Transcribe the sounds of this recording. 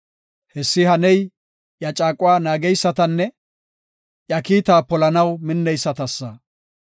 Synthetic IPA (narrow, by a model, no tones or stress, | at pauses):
hɛsːɪhɐnɛj | jɐt͡ʃʼaːkʼʊwaːnaːɡɛjsːɐt̪ɐnːɛ | jɐkiːt̪aːpɔlɐnɐwmɪnːɛjsːɐt̪ɐsːɐ